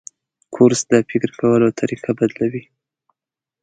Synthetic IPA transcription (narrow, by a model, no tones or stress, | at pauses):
kʰoɾsd̪apɪkɾkawəlot̪ʰaɾiqabad̪lawi